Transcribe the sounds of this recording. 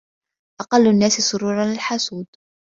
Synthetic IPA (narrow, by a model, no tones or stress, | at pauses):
ʔɑqɑlːʊnːaːsɪsˤʊɾuːɾˤɑnlɪlħasuːd̪